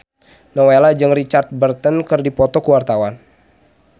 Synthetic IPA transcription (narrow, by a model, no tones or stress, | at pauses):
nɔwelad͡ʒɨŋrit͡ʃart̪̚bərt̪ənkɨrdipɔt̪ɔkəwart̪awan